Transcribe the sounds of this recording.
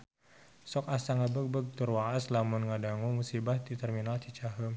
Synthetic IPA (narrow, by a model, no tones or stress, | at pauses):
sɔkasaŋabək̚bəɡ̚t̪urwaʔaslamunŋadaŋumusibahd̪it̪ɛrminalt̪it͡ʃaɦəm